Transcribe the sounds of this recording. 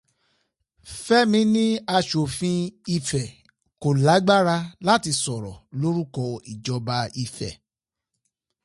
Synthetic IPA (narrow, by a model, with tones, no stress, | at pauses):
fɛ˦mĩ˨˦nĩ˦a˧ʃo˨fĩ˧i˧fɛ˨ | ko˨la˨˦ɡ͡ba˦ɾa˧la˦ti˧sɔ˨ɾɔ̰˨lo˦ɾu˦kɔ˧i˨d͡ʒɔ˧ba˧i˧fɛ̰˨